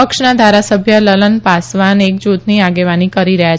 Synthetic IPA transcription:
əkʃnad̪ʱaɾasəbʱjələlənpasʋanek̚d͡ʒut̪niaɡeʋanikəɾiɾəɦja

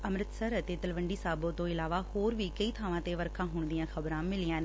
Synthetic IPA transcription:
əmɾɪtt̪səɾət̪eːt̪əlʋəɳɖiːsaːbõːt̪õːɪlaːʋaːhoːɾʋiːkəiːt̪ʰaːʋãːt̪eːʋəɾkʰãːɦʊɳ̃d̪ijãːkʰəbɾãːmɪlɪjãːneː

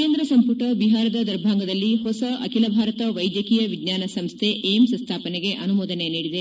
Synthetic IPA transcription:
eːnd̪ɾɐsɐmpuʈɐbiɦaːɾɐd̪ɐd̪ɐɾbʱaːŋɡɐd̪ɐlːiɦosɐʔɐkilɐbʱaːɾɐt̪ɐʋɐjd̪jɐkiːjɐʋiɡɲaːnɐsɐmst̪ʰe̞ʔemsɐnst̪ʰaːpɐneɡe̞ʔɐnumoːd̪ɐneniːɽid̪e

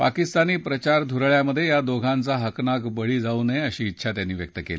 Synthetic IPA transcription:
pa̰kist̪aniːpɾət͡ɕaɾd̪ʱuɾɭjaməd̪ʱːjejad̪oɡʱãnt͡saɦəknakbəɭiːd͡zauneəɕiːtːɕʰat̪janːiːʋjək̚t̪əkḛli

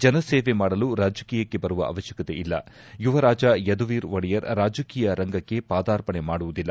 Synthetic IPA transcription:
d͡ʒɐnɐseːʋe̞maːɽɐluɾaːd͡ʒɐkiːjɐkːe̞bɐɾuʋɐ̰ʔɐ̰ʋɐʃjɐkɐt̪e̞̰ʔilːɐ | juʋɐɾaːd͡ʒɐjɐd̪uʋiːɾʋɐɽijɐɾɾaːd͡ʒɐkiːjɐɾɐŋɡɐkːe̞paːd̪aːɾpɐɳemaːɽuʋud̪ilːɐ

